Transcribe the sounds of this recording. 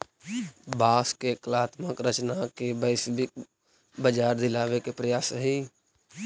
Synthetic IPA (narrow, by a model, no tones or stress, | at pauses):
baːskeklaːt̪məkɾət͡ʃnakebəsk | bəd͡ʒaːɾd̪ɪlaːʋekepɾəjaːsəɦiː